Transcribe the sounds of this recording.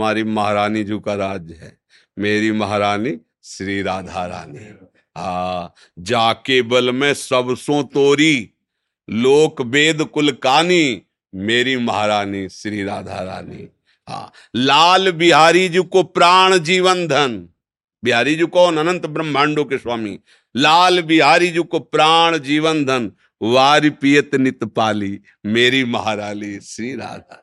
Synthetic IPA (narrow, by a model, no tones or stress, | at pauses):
maːɾiməɦɾaːnid͡ʒuːkaɾaːd͡ʒɦɛ̰ː | meːɾiməɦɾaːni | sɾiːɾaːd̪ʱaɾa̰ːni | ɦaː | d͡ʒaːkeːbəlmẽsəbsõːt̪oːɾi | loːkbeːd̪ʱkʊlkaːni | meːɾiməɦɾaːnisɾiːɾaːd̪ʱa̰ːɾa̰ːnḭ | ɦa̰ː | laːlbiɦaːɾid͡ʒukopɾaːɳ̃d͡ʒiːʋənd̪ʱɐn | bɪɦaːɾiːd͡ʒukoːnɐnə̃nt̪bɾɐmʱaːɳɖoːkeswaːmḭː | laːlbiɦaːɾid͡ʒukopɾaːɳ̃d͡ʒiːʋənd̪ʱɐn | ʋaːɾipiːjət̪nɪt̪paːliː | meːɾimɐɦaːɾaːliːsɾiːɾa̰ːd̪ʱa̰ː